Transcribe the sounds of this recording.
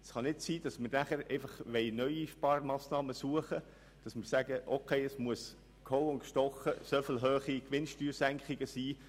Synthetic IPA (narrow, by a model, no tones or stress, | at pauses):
sχɑnɪtsiːd̥ɑsmɪɾnæχəɾɛ̰ɪfɑχʋɛɪnœʏiʃpɑɾmɑːsnɑːməsuəχə | d̥ɑsmɪɾsæɡəʔokʰeɪəsmuəs | kʰolʊntkʃtɔχːəsøfɪlɦøːχikʋɪnʃtyːɾsæŋkχɪɡ̥əsiː